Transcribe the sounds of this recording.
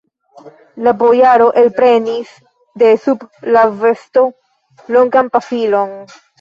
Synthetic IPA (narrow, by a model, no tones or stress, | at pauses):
labo̞jaɾo̞ʔelpɾe̞nis | de̞sublave̞sto̞ | lo̞ŋɡanpafilo̞n